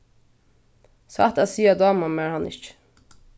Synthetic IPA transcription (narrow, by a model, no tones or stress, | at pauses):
sa̰t̪asiːad̪ɑːmamaɹhanʔɪ̰t͡ʃ